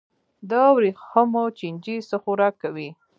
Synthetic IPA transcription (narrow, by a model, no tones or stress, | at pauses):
d̪ɑwɾixəmot͡ʃind͡ʒisəxuɾɑkːawi